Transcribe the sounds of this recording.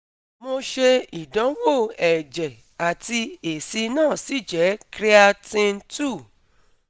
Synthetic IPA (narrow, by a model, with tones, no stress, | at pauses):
mo˧ʃe˧i˨dã˨˦wo˦˨ɛ˨d͡ʒɛ˨ | a˨ti˧e˨si˧nãː˦˨si˨˦d͡ʒɛ˨˦kɾi˦a˧tĩ˧n˦tu˦˨